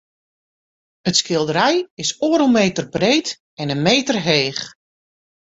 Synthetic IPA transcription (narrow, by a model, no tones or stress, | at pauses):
ətskɪlˠdəɾɛjɪsoːəɾəlˠmeːtərbreːt | ɛnənmeːtərɦeːx